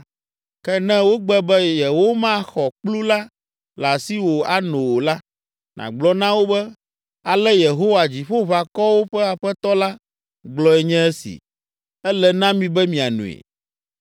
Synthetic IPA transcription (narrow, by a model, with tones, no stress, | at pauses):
kɛ˦nɛ̃˦wo˦ɡ͡bɛ˦bɛ˦je˨wo˦mã˦xɔ˨k͡plu˦la˦ | la˨si˦wo˨a˦nõ˨wo˨la˦ | nã̰˨ɡ͡blɔ˦nã˦wo˦bɛ˦ | a˨lɛ˦je˨ɦo˦wa˨d͡ʑi˨ɸo˦βa˨kɔ˦wo˦ɸɛ˦a˨ɸɛ˦t̪ɔ˦la˦ | ɡ͡blɔ˦ɛ˨ɲɛ̃˦ɛ˦sḭ˨ | ɛ˦lɛ˦nã˦mĩ˨bɛ˦mĩ˨a˨nṵ̃˨ḛ˨